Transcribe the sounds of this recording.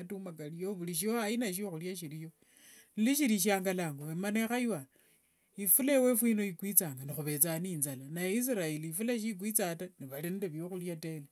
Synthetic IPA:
atumakalijoβuliʃioajinaʃ̬ioxuljaʃiɾijo̞ | niliʃiɾiʃ̬aːŋɡalaːŋɡoemanexajwa | ifulewefwino̞ikwit͡saːŋɡanixuβe̞t͡saniːnzalanajis̬iɾaeliːfulaʃ̬ik̬wit͡sataniβalindeβjoxuljate̞le

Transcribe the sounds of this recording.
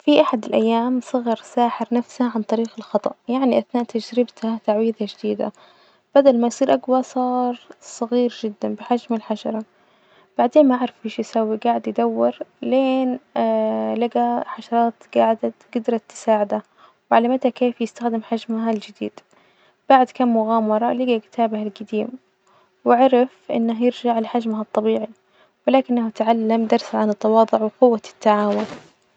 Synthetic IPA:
fiʔaħad̪ɪlʔajːaːmsˤɨɣɑɾˤsaːħɪɾnafshaʕant̪ˤɑɾiːxɪlxɑt̪ˤɑ̰ʔjaʕniʔaθnaːʔt̪ad͡ʒɾɪbt̪hat̪aʕwiːðaʒɪd̪iːd̪a̰ | b̥ad̪almajsˤiːɾʔaɡwasˤɑːɾˤsˤɑɣiːɾʒɪd̪ːanbɪħad͡ʒmalħaʃɑɾˤɑ | b̥aʕd̪eːnmaʔaʕɾˤɑfʔeʃjɪsawːiɡaːʕɪd̪jɪd̪awːɪɾleːn | laɡaħaʃɑɾˤɑːt̪ɡ̥aːʕɪd̪at̪ɡ̥ɪd̪ɾˤɑt̪ːɪ̥saːʕɪd̪a | wɪʕalamat̪akeːfjɪst̪axd̪ɪmħad͡ʒmaɦald͡ʒɪd̪ḭːd̪̥ | b̥aʕd̪kamːʊɣaːmɑɾˤɑlɪɡakɪ̥t̪ʰaːbahalɡad̪iːm | wɪʕɑɾˤɑfʔɪ̰nːahjɪɾd͡ʒaʕlɪħad͡ʒmaɦat̪ˤːɑbiːʕi | wɪlaːkɪnːaht̪ʕalːamd̪ɑɾˤsaʕanɪt̪ːɑwɑːd̪ˤʊʕwɪqʊwːat̪ːaʕaːwʊn

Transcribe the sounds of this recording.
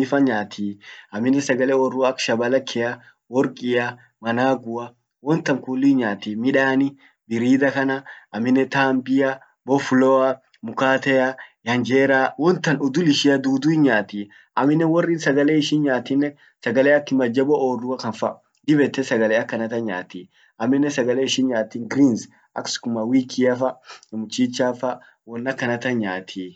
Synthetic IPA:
ɪfɐɲaːt̪ʰiːɐmːɪnːɛsɐɡɐlɛwɔrːuɐkʃɐbɐlɐkʰːɛjɐ | wɔɾkʼɪjɐ | mɐnaːɡʊɐ | wɔnt̪ːɐŋkuːlːinɲaːt̪imɪᶑaːnɪ | bɪɾiːd̪ɐkɐnɐʔɐmːɪnːɛt̪aːmbɪjɐ | bɔfʊlɔɐ | mʊkaːt̪ɛjɐjɐnd͡ʒeːɾaːwɔnt̪ːɐnʊd̪ʊlɪʃɪɐd̪uːd̪uhɪnɲaːt̪i | ʔɐmɪnːɛwɔrːiːnsɐɡɐleːɪʃinɲaːt̪ːɪnːɛ | sɐɡɐleːɐkːɪmɐd͡ʒːɐbɔʔoːrdʊɐkɐnfɐ | d̪ɪbɛt̪ːɛsɐɡɐleːɐkːɐnɐt̪ɐɲaːt̪iː | ʔɐmːɪnːɛsɐɡɐleːɪʃɪnɲaːt̪ːiːnɡɾiːns | ʔɐ̰kskʊmɐwiːkʰiɐfɐmʊt͡ʃːiːt͡ʃːaːfɐ | wɔnːɐkːɐnɐt̪ɐɲaːt̪ʰiː

